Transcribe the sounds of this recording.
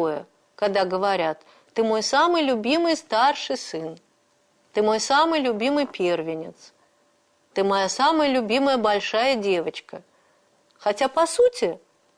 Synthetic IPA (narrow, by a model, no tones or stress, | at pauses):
jɐ | kad̪aɡəvaɾʲat̪ː | ɨmojsamɨjlʲubʲimɨjst̪arʂɨsɨn | t̪ɨmojsamɨjlʲubʲimɨjpʲɛrvʲɪnʲɪt̪s | t̪ɨmajasamɐjəlʲubʲiməjɐbalʲʂajɐd͡zʲevɐt͡ɕkɐ | xat͡sʲapasut͡sʲɪ